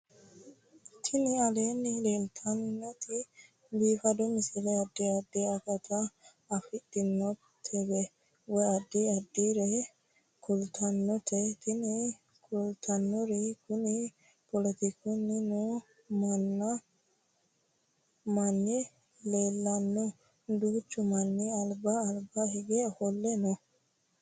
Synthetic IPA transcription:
t̪ʰɪnɪɐleːnːɪleːlt̪ʰɐnːɔt̪ɪ | biːfɐd̪ɔmɪsɪɾɛɐd̪ːiɐd̪ːɛɐkɐt̪ɐː | fɪd̪ɪnːɔt̪ʰːɛbɛ | wɔjɐd̪ːiɐd̪ːiɾɛ | kʰʊlt̪ʰɐnːɔt̪ʰɛt̪ɪnɪ | kʰʊlt̪ʰɐnːɔɾɪkʊnɪ | pɔlɛt̪ɪkʰɔnːɪnʊ | mɐnːɐ | mɐnːɪ | leːlːɐnːɔ | d̪uːt͡ʃːʊmɐnːɪɐlbɐːlbɐɦɪɡɛhɔlːɛnɔ

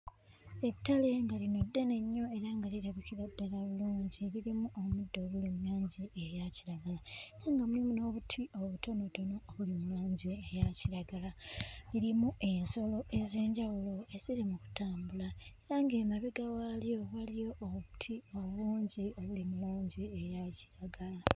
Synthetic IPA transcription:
e̞tːale̞ŋɡalino̞dːene̞ɲːo̞e̞ɾaŋɡaliɾaβikiɾadːalaβuluːɲɟiliɾimuʔomudːoːβulimulaːɲɟiejaciɾaɡalaeɾaŋɡamulimuno̞ːβutʰio̞βutʰo̞no̞donoːβulimulaːɲɟiejaciɾaɡalaliɾimuʔe̞nso̞lo̞ʔe̞ze̞ːɲɟawulo̞esiɾemuku̥taːmbulae̞ɾaŋɡe̞ːmaβeɡawalijo̞ɣalijo̞ʔːβutʰio̞βuːɲɟio̞βulimuluːɲɟiejaci̥ɾaɡala

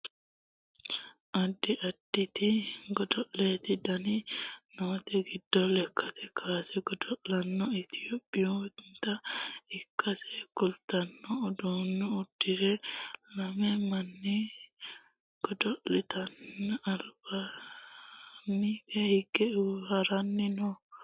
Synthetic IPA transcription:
ʔɐd̪ːɪʔɐd̪̥ːɪt̪ɪɡɔd̪ɔʔleːt̪ɪd̪ɐnɪnoːt̪ɛɡɪd̪ːɔlɛkʰːɐt̪ɛkʰaːsɛɡɔd̪ɔʔlɐnːɔɪt̪ɪjoːpʼːɪjot̪nt̪ɐɪkʰːɐsɛkʊlt̪ɐnːɔːd̪oːnːɔʊd̪̥ːɪɾɛlɐmɛmɐnːɪ | ɡ̥ɔd̪ɔʔɪt̪ɐnːɐlb̥ɐ | nːɪkɛhɪɡɛʊhɐɾɐnːɪnɔ

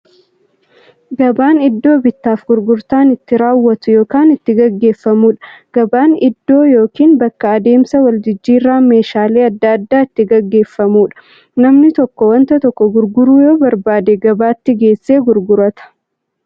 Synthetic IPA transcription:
ɡɐbaːnɪd̪ːo̞ːbɪt̪ːaːfɡʊɾɡʊɾt̪aːnɪt̪ːɪɾaːwːɐt̪ʊjo̞ːkaːnɪt̪ːɪɡɐɡːe̞ːfːɐmuːᶑɐ̥ɡ̥ɐbaːnɪd̪ːo̞ːjo̞ːkiːnbɐkːɐɐd̪e̞ːmsɐwɐld͡ʒɪd͡ʒːiːrːaːme̞ːʃaːle̞ːɐd̪ːɐːd̪ːaːɪt̪ːɪɡɐɡːe̞ːfːɐmuːᶑɐ̥ | nɐmnɪt̪ɔkːɔwɐnt̪ɐt̪ɔkːɔɡʊɾɡʊɾuːjo̞ːbɐɾbaːd̪eɡɐbaːt̪ːɪɡe̞ːsːe̞ːɡʊɾɡʊɾɐt̪ɐ̥

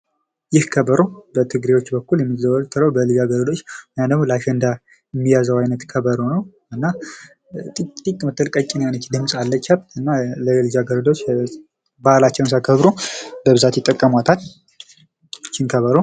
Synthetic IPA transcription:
jɪhkʰəbəɾobət̪ʰɨɡɾewo̞t͡ʃːbəkːuljɛmːizəwəlt̪ʰːɨɾəwbəlɨd͡ʒaɡəɾd̪o̞t͡ʃːjad̪əmlaʃɛnd̪a | jɛmːijazəwajnət̪kʰəβəɾonəw | ɨnːa | t̪ʼikʼmət̪ʰːəlkʼəkʼɪnajnət͡ʃːd̪ɨmsʼalːət͡ʃːhəbt̪ɨnːaləlɨd͡ʒaɡəɾd̪ot͡ʃː | balat͡ʃːɛwnsakʰəβɾobəβɨzat̪jɪt̪ʼːəkʼːəmat̪ʰat̪ | t͡ʃːɪnkʰəβəɾo

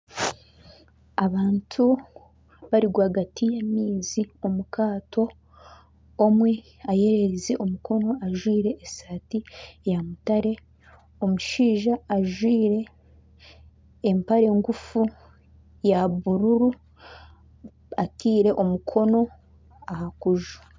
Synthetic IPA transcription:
aβaːntʰu | βaɾiɡwaːɡatijamiːziomukaːto̞ | mwe̞ | aje̞ɾeɾizeʔo̞mukʰo̞no̞aʒwiːɾe̞ʔːsaːtijamutaɾe̞ | o̞muʃiːʒaːʒwiːɾe̞ | mpaɾe̞ŋɡufu | jaβuɾuɾu | atiːɾe̞ʔomukʰo̞no̞ | ahakuʒu̥

